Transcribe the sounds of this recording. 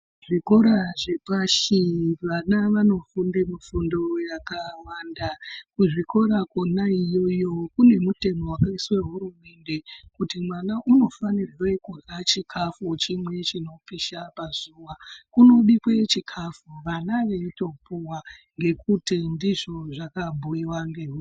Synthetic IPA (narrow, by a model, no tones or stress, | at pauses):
ʐiko̞ɾaʐepaʃiʋanaʋano̞fundemufundo̞jakawandakuʐiko̞ɾakonaijo̞jo̞kune̞mute̞mo̞wakaiswe̞ɦuɾume̞ndekutimwanaʔuno̞fanirwekurat͡ʃikʰafut͡ʃimwe̞t͡ʃino̞piʃapazuwakuno̞ɗikwe̞t͡ʃikʰafuʋanaʋe̞ito̞puwaŋɡe̞kutindiʐo̞ʐakabʱuiwaŋɡeɦu